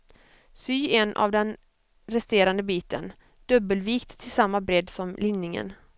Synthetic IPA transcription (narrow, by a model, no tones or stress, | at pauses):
syːɛnʔa̰vd̪ɛn | ɾɛst̪eːɾand̪əbiːt̪ʰə̰n | d̪̥ɵbəlviːkt̪ʰːɪlsamːabɾɛd̪sɔmlɪnːɪŋə̰n